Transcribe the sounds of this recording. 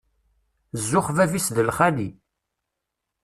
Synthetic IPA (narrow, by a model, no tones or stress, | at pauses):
zːʊχvævisðəlχæli